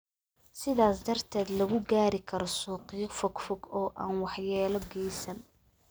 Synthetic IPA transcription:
sɪðaːsd̪ɐrt̪ʰɛːd̪lɐɣʊɡaːɾɪkʰɐɾɔsuːqifɔɡfɔɡɔːʔa̰ːnwɑħjɛːlɔɡɛjsɐn

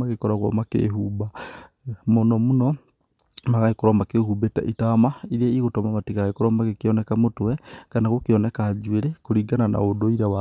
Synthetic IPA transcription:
aɣekɔɾaɣwo̰makḛːɦuba | monɔmunɔ | maɣaikoɾomakehubeta̰ʔitamaiɾeiɣotɔmamatiɣaɣekoɾɔmaɣekiɔnekamotwɛkanaɣokiɔnekaːd͡ʒweɾekoɾiːɡanana̰odoiɾawa

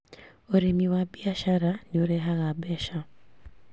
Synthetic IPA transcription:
oɾemiwabiaʃaɾanioɾɛɦaɣabɛʃa

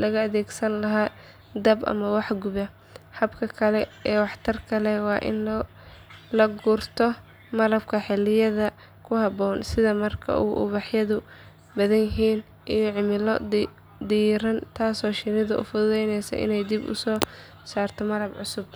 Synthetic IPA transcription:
lɐɣɐːðɛːɡsɐnlɐɦaː | d̪ɐbʔɐ̰mɐwɑħɡʊβɐ | hɐbkʰɐkʰɐlɛɛːwɑħt̪ʰɐrkʰɐlɛwɑːʔɪ̰n | lɐɡʊrt̪ʰɔ | mɐlɐb̚kʰɐħɪlɪjɐðɐ | kʰʊhɑbɔːnsɪðɐmɐrkʰɐ̰ʔṵːʔʊ̰βɑħjɐðʊ | bɐðɐnjɐɦiːn | ʔijɔʕɪmɪl | d̪iːɾɐnt̪ʰaːsɔːʃɪnɪðʊʔʊ̰fʊðɛjnɛjsɐ̰ʔɪ̰nɛjd̪ɪbʊ̰sɔː | saːrt̪ʰɔmɐlɐbʕʊsʊb̚

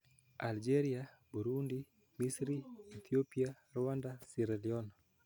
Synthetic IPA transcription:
ald͡ʒeɾia | buɾundi | misɾiit̪ʰiopia | rwandasiɾɛliɔn

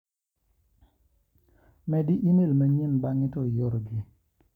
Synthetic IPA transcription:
mɛdɪʔinelmaɲenbaŋɪtɔjoɾɡɪ

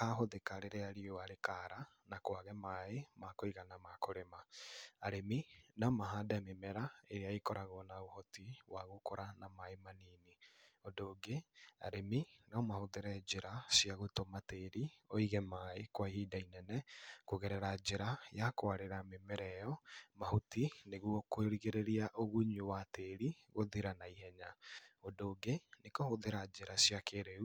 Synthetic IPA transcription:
kaɦoðekaɾeɾeaɾioaɾekaɾa | nakwaɣɛmaemakoiɣanamakoɾemaaɾeminamaɦadamemɛɾaeɾeaekɔɾaɣɔnaohɔtiwaɣokoɾanamaemaniːniɔdoɡea̰ɾeminɔmahoðeɾɛd͡ʒeɾasiaɣotomateɾiɔiɣɛmaekwaihiːdainɛnɛkoɣɛɾɛɾad͡ʒeɾajakoaɾeɾamemɛɾɛɔmahotineɣuɔkoeɾiɣeɾeɾiaʔoɣuɲuwateɾiɣoðiɾanaiɦɛɲaodoːɡenekohoðeɾad͡ʒeɾasijakeɾeu

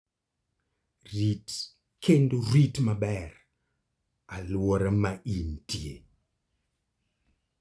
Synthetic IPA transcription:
rit | kʰendoritmabɛr | alwɔɾamaʔintiḛ

